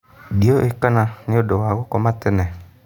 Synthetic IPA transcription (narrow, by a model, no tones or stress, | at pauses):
dioʔekananɪodowaɣokɔmatɪnɛ